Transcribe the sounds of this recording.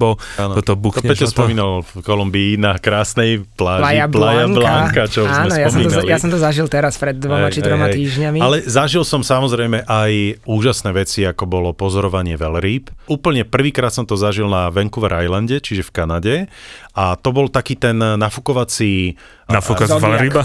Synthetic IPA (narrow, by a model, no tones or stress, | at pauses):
bɔaːnɔɔt̪ɔbuɛɔspɔmiːnalfkɔlumbiːnakɾaːsnɛjplaaplajaŋblaŋkat͡ʃɔaːmɛnɔjaspɔɔmiːɔnljasɔmt̪ɔzaʒilt̪ɛɾaspɾɛd̪̚ːʋɔɛmat͡ʃid̪ɾɔmaɛt̪iːʒɲamialɛzaʒilsɔmsamɔzɾɛjmɛʔajuːʒasnɛːʋɛt͡siakɔbɔlɔpɔzɔɾɔʋaɲɪɛʋɛlɾiːpuːpl̩ɲɛpr̩ʋiːkɾaːt̪sɔmt̪ɔzaʒilnaʋɛŋkuʋɾʔajlanɟɛt͡ʃiʒɛfkanaɟɛʔat̪ɔbɔlt̪akiːt̪ɛnːafukɔʋat͡si | nafukɛlɾiba